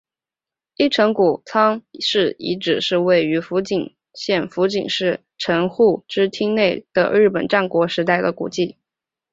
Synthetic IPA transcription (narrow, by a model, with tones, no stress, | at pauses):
i˥˩ʈ͡ʂʰɤ˧˥ŋku˨˩t͡sʰɑ˥ŋʂɻ̩˥˩ḭ˧˥ʈ͡ʂɻ̩˨˩ʂɻ̩˥˧we˥˩ɪy˧˥fu˧˥t͡ɕi˨˩ŋ | ɕjɛ˥˩nfu˧˥t͡ɕi˨˩ŋʂɻ̩˥˩ | ʈ͡ʂʰɤ˧˥ŋxu˥˩ʈ͡ʂɻ̩˥t̪ʰi˥ŋne˥˩ɪd̪̥ə̰˩ɻɻ̩˥˩pə˨˩nʈ͡ʂa˥˩nkwɔ˧˥ʂɻ̩˧˥t̪a˥˩ɪd̪ə˩kṵ˨˩t͡ɕi˥˩